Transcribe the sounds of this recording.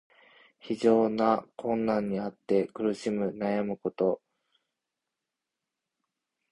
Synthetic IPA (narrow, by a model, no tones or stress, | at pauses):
çiʑo̞ːnakʰõ̞nːãɲ̟ːiat̪ːe̞kɯ̟ɾɯ̟ɕimɯ̟najamɯ̟ko̞t̪o̞